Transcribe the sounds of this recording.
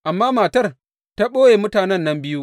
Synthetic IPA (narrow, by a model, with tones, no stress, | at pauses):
ʔa˨mːaː˦maː˨tɐ˦r | ta˦ɓoː˦jeː˨mʊ˦taː˨nɛ˦˨nːɐ˦mbɪ˦ju˦